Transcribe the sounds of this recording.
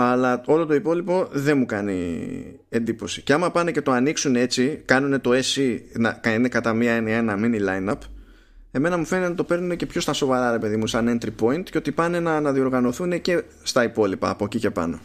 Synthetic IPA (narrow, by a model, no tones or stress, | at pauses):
ɐlɐo̞lo̞t̪o̞ipo̞lipo̞ðe̞mukɐnḭ | e̞nd̪ipo̞si̥ce̞ɐmɐpɐne̞ce̞t̪o̞ɐniksunee̞t͡sikɐnune̞t̪o̞e̞sinɐkɐine̞kɐt̪ɐmiɐe̞niɐe̞nɐminilɐjnɐp | e̞me̞nɐmufe̞nt̪nɐt̪o̞pe̞ɾnune̞ce̞pço̞st̪ɐso̞vɐɾɐɾe̞pe̞ðimusɐnent̪ɾipo̞int̪ceot̪ipɐne̞nɐnɐðio̞ɾɣɐno̞θune̞ce̞ | st̪ɐipo̞lipɐːpocice̞pɐ̰no̞̰